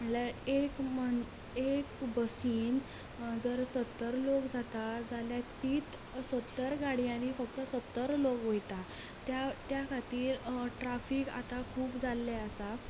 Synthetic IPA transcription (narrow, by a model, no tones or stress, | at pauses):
məɳlaekməɳ | ekbəsiːn | d͡zəɾsət̪ːəɾlokd͡zat̪ad͡zaljat̪iːt̪ | sət̪ːəɾɡaɽijãñifək̚t̪əsət̪ːəɾlokʋojt̪a | t̪jat̪jakʰat̪iːɾʈɾafiːka̰t̪akʰuːpd͡zalːɛəsa